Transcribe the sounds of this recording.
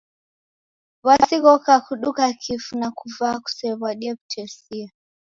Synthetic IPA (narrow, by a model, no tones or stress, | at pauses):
βasiɣɔkakuɗukakʰifunakuvaːku̥sɛβwaɗiɛku̥tʰɛsia